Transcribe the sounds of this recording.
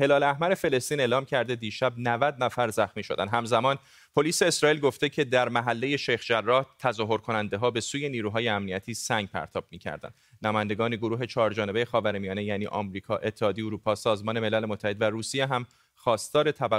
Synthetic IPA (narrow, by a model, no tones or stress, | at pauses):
he̞lɒːlæhmæɾe̞fe̞le̞st̪iːne̞ːlɒːmcʰæɾd̪e̞d̪iːʃæbnævæd̪næfæɾzæxmiːʃo̞d̪æ̰nɦæmzæmɒːn | pʰo̞liːse̞ːsɾɒːiːlɡo̞ft̪e̞cʰe̞d̪æɾmæɦælːe̞je̞ʃejxd͡ʒærːɒːht̪ʰæzɒːɦo̞ɾkʰo̞nænd̪e̞ɦɒːbe̞suːje̞niːɾuːɦɒːjeæmniæt̪ʰiːsæŋɡ̚pʰæ̰ɾt̪ʰɒːb̥miːcʰæ̰ɾd̪æ̰nd̪næmɔːjænd̪e̞ɡɒːneɡoɾuːɦe̞t͡ʃʰɒːɾd͡ʒɒːneejexɒːvæɾemijɒːne̞jæːniːʔɒ̰mɾiːkʰɒːʔe̞t̪ʰːehɒːd̪eeoɾuːpʰɒːsɒːzmɒːne̞me̞lælemot̪ʰːæhe̞d̪væɾuːsijeɦæm | xɒːst̪ɒːɾe̞t̪ʰæbæ